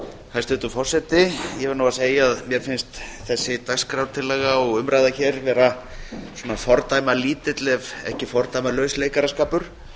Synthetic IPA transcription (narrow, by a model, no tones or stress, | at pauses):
θaðst̪ɛːt̪ʏfɔr̥sɛt̪ɪjɛvɛɾnuwaseːjaaðmjɛɾ̥fɪnst̪θɛsːɪt̪akskɾawt̪ʰɪlːɛːɣaɔɣʏmɾajðaçɛɾvɛːɾa | sɔːnafɔɾt̪aːjmaliːt̪ɪt̪lɛvɛ̰hcɪfɔɾt̪ajmalœːɥsleːjkaɾaskaːpʏɾ̥